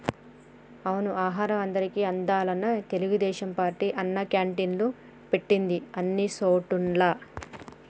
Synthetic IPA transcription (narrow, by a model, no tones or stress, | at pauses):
ɐʋɐnuaːɦaːɾɐmɐnd̪ɐɾikiɐnd̪aːlɐnːɐt̪e̞luɡud̪ɛːʃɐmpaːɾʈiʔɐnːɐkjaːɳʈinlu | peʈːind̪iɐnːisoːʈunlaː